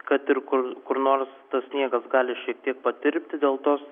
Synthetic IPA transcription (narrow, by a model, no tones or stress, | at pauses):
kɐt̪ɪɾkʊɾkʊɾnoːɾst̪ɐssʲnʲiɛɡɐsɡɑːlʲɪʃʲiɛkt̪ʲiɛk̚pɐt̪ʲɪɾʲpʲt̪ʲɪd̪ʲeːlˠt̪oːs